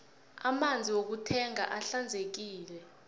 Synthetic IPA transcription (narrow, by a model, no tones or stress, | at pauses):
amand͡zʱiwok̬utʰɛŋa̰ʔaɬand͡zʱek̬iːlɛ